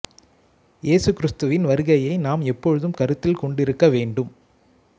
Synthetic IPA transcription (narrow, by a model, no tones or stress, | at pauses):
jʔeːsɯkːɪɾɯst̪ɯʋɪnʋɐɾɯɣɐjɐɪnaːmɛpːɔɻɯðɯmkɐɾɯt̪ːɪlkɔɳɖɪɾɯkːɐʋeːɳɖɯm